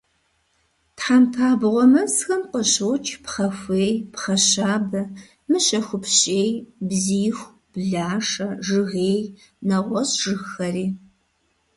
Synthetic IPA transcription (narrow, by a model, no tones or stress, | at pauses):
tħampʰaːbʁʷɔmɐsxɐmqəɕɨwt͡ʃʰʼpχɐxʷeːjpχɐɕaːbɐ | mɨɕɐxʷʊpɕʼeːjbziːxʷ | b̥ɮaːʂɐʐɨɣeːj | nɐʁʷɔɕʒɨxxɐriː